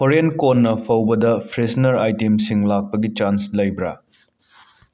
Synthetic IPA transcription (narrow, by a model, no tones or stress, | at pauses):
pʰoɾenkonːɐpʰɐwbɐdɐpʰɾesnɐɾajtemsiŋlak̚pɐɡit͡ʃanslɐjbɾa